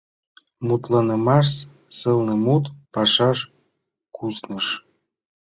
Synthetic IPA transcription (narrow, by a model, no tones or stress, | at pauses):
mut̪lɤnɤ̆mɑʃ | sɤlnɤ̆mut̪pɑʃɑʃ | kʰusnə̆ʃ